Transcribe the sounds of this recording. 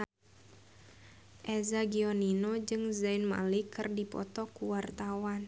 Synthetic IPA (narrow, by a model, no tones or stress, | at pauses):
ʔɛzaɡiɔninod͡ʒɨŋzainma̰likɨrdipɔ̰t̪ɔkuwart̪awan